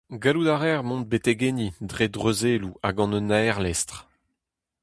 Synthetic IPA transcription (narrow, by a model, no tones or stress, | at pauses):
ɡalud̪aʁɛʁmɔ̃nt̪̚bet̪eɡenid̪ʁed̪ʁøzeːluaɡɑ̃nønaɛʁlɛst̪χ